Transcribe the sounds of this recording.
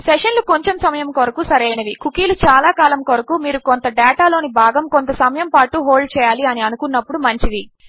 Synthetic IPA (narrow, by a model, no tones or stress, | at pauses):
seʂɐnluko̞ɲt͡ʃemsɐmɐjɐmkoɾɐkusɐɾejnɐʋikukiːlut͡ʃaːlaːkaːlɐmkoɾɐkumiːɾukont̪ɐɖɛːʈaːlo̞ːnibʱaːɡɐmkont̪ɐsɐmɐjɐmpaːʈuɦoːɭɖt͡ʃɛːjaːliɐniɐnukunːɐpːuɽumɐɲt͡ʃid̪i